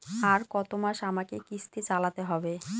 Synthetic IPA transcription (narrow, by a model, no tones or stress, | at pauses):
aɾkɔt̪omaʃamakekist̪it͡ɕalat̪eɦɔbe